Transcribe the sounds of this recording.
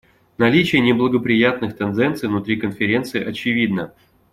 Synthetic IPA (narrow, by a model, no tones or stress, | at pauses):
nɐlʲit͡ɕɪjənʲɪblˠəɡəpɾʲɪjat̪̚nɨxt̪ɛnd̪ɛnt̪sɨjvnʊt̪ɾʲikənfʲɪɾʲe̞nt̪sɨɪʔɐt͡ɕɪvʲid̪nə